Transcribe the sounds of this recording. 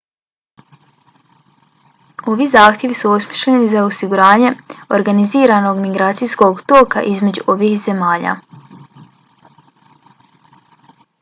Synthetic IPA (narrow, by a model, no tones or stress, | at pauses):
o̞ʋizaːxt̪je̞ʋisuo̞smiʃlenizaosiɡuɾaːɲe̞oɾɡaniziːɾano̞ɡmiɡɾaːt̪sijsko̞ɡt̪o̞ːka̰ʔizme̞d͡ʑṵʔo̞ʋiːhze̞maːʎa̰